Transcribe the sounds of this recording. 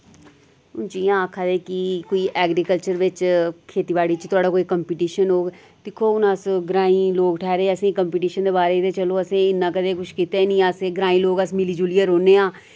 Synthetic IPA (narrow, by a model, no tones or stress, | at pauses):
ʊnt͡ʃiːãːkʰad̪eːkikoːiːʔɛːɡɾiːkəlt͡ʃəɾʋɪt͡ʃkʰeːt̪iːbaːɽiːt͡ʃt̪ʊaːɖaːkoːiːkəmpiːʈiːʃənɦoː | d̪ɪkʰoːʊnasɡɾãːĩːloːɡʈʰɛːɾeːəsẽːkəmpiːʈiːʃənd̪eːbaːɾeːt̪eːt͡ʃəloːəsẽːɪnːãːkəd̪eːkʊʃkiːt̪eːnĩːaseːɡɾãːĩːloːɡəsmɪliːd͡ʒuliːəɾoːneːãː